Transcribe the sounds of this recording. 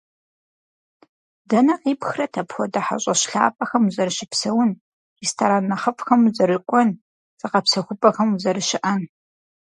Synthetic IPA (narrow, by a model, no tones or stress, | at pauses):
dɐnɐqiːpxrɐtʰɐpxʷɔdɐħa̰ɕʼɐɕɬa̰ːpʼɐxɐmuzɐɾɨɕɪpsɐwʊn | ristʰaɾaːnːɐχɐfʼxɐmuzɐɾɨkʷʼɔn | z̥ɨqɐpsɐxʷʊpʼɐxɐmuzɐɾɨʃɪʔɐn